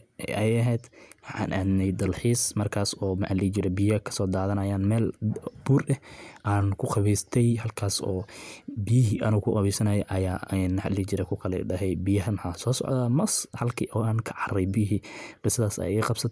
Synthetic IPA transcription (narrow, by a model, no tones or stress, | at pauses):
ʔɛʔɛjɐɦɛjd̪wħa̰ːnʔaːd̪nɛjd̪ɐlħiːsmɐrkʰaːsɔːmɐʔalɪt͡ʃɪɾɛbɪjɐkʰɐ̥sɔːd̪aːðɐnɐjaːnmɛːlbuːɾʔɛʔaːnkʰʊqɑβiːst̪ʰɛjhɐlkʰaːsɔːbijɪɦiʔɐnʊkʰʊqɑβiːsɐnɐjɛʔɐjaːɛnħalɪt͡ʃɪɾɛkʰʊkʰɐlɛ̰ɖɐɦɛjbijɐɦɐmħaːsɔːsɔ̰ʕd̪aːmɐshɐlkʰiʔɔːaːnkʰɐ̥ʕɑrɛjbijɦiːqɪsɐðaːsɐ̰jiːqɑbsɐt̪ʰ